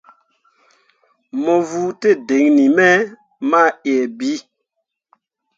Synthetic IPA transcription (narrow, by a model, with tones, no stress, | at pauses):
mɔ˨vu˦te˦˨de˨˦ŋni˨mɛ˦ | ma˦˨jɛ˨bi˨˦